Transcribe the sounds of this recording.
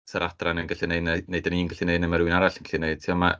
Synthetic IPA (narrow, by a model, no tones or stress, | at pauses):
səɾad̥ranənɡaɬinejnɛneɨdəniːnɡaɬinejnɛməɾuɨnaɾaɬən̩ɡḁɬineɨd̥̚tʰiɔma